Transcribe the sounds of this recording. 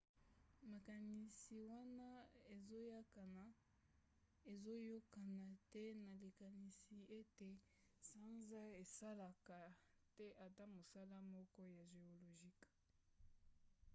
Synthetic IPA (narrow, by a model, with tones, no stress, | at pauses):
ma˨ka˨ni˨si˨wa˦na˦e˨zo˦ja˦ka˨na˨ | e˨zo˦jo˦ka˨na˨tɛ˦na˨li˨ka˨ni˨si˨e˦te˨ | sã˦nza˦e˨sa˦la˨ka˨tɛ˦ʔa˨ta˦mo˨sa˦la˦mɔ˦kɔ˦ja˨ʒe˨o˨lo˨ʒi˦k